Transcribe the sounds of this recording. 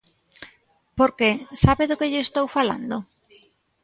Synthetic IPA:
poɾkesaβeðokeʎːst̪owfala̰nd̪o

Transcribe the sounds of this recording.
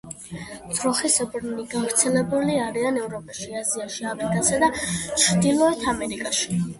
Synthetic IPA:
d̪zɾɔχisbɾniɡavɾt̪sʰɛlɛbuliaɾianɛvɾɔpʼaʃiaziaʃiafɾikʼasad̪at͡ʃʰɾd̪ilˠɔɛt̪ʰamɛɾikʼaʃi̥

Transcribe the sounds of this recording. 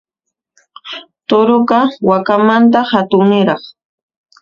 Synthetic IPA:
t̪oɾoɢɑwakamant̪̬ahat̪ʊŋnɪɾɑχ

